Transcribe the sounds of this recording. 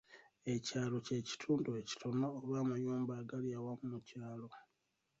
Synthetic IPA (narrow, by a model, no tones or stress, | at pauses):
e̞caːlo̞ce̞ːci̥tʰuːndue̞ci̥tʰo̞noːβamuɲuːmbaːɡaliawamumucaːlo̞